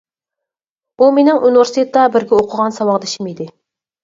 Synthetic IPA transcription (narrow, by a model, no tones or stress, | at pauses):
umenɪŋʔuniveɾsit̪ʰet̪ːɑbɪɾɡʲɛoqʰəʁɑnsɑwɑʁd̪ɪʃimid̪ɪ